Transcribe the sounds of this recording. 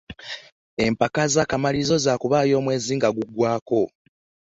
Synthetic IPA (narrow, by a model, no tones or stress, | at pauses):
e̞mpakazakamalizo̞zaːkuβaːjo̞ːmwe̞ːziːŋɡaɡuɡwaːko̞